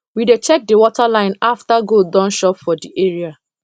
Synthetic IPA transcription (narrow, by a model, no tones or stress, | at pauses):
widet͡ʃɛk̚dewɔtalãɪ̃naftaɡodɔ̃nʃɔpfɔdiʔeɹia